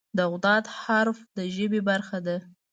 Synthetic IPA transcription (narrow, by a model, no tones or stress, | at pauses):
d̪əɣd̪ɑd̪haɾfd̪əʒəbebaɾxad̪a